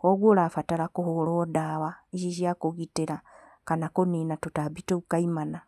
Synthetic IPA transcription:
koɡwoɾafataɾakoholodaβaeʃiʃjakoɣiteɾa | kanakoninatotabitoukaimana

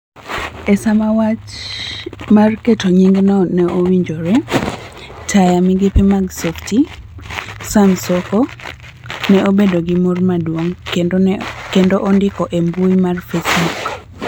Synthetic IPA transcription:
ɛsamawat͡ʃ | marketoɲiŋɡnɔnɛʔowiɲd͡ʒoɾɛ | tajamiɡɪpimaɡsɔfti | samsɔko | nɛʔobedoɡɪmormadwoŋ | kendoʔondɪkɔʔembujmarfesbuk

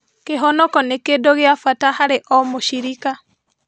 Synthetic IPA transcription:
keɦɔnɔkɔnekedoɣeafatahaɾeʔɔmoʃiɾika

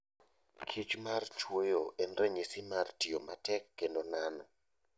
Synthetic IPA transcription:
kʰit͡ʃmart͡ʃwejoʔɛnrɛɲisɪmartɪjomatɛkːendonanɔ

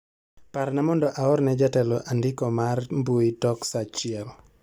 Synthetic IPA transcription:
paɾnamɔndɔʔaɔɾnɛd͡ʒatɛlɔʔandɪkɔmarmboitɔksat͡ʃɪɛl

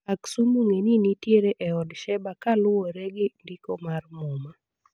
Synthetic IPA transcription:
aksumuŋeninitjeɾeʔɛɔdʃɛbakalʊwoɾɛɡɪndikomarmʊma

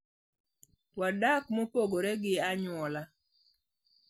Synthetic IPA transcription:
wadakmopoɡoɾɛɡɪaɲwɔla

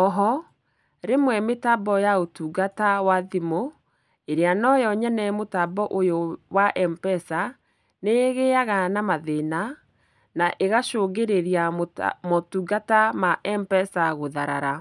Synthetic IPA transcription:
ɔɦɔ | ɾemwɛmetabɔjaotuɡatawaðimo | eɾeanɔjɔɲɛnɛmotabɔʔojowaʔɛmpɛsa | neɣeaɣanamaðena | naʔeɣaʃoːɣeɾeɾiamotuɡatamaʔɛmpɛsaɣoðaɾa̰ɾa

